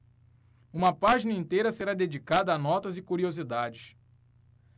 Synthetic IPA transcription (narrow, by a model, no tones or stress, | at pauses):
ũmɐpaʒinɐĩt̪ejɾɐseɾad̪ed͡ʒikad̪ɐːnɔt̪ɐzɪkuɾiozid̪ad͡ʒɪs